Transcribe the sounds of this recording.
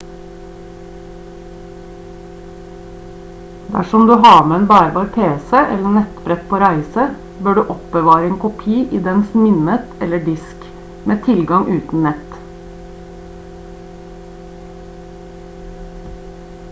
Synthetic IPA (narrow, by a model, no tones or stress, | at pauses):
d̪æ̰ʃɔmd̪ʉːɦɑːmeeːnbæːɾəbɑːɾpʰeːsəʔɛ̰ləɳɛt̪bɾɛt̪̚pʰoːɾæɪsə | bøːɖʉːʔɔpbəʋɑːɾəeːŋkʊpʰiːʔiːd̪ɛnsmɪnət̪ɛləɖɪsk | mʔeːt̪ʰɪlɡɑŋʔʉːt̪n̩nɛt̪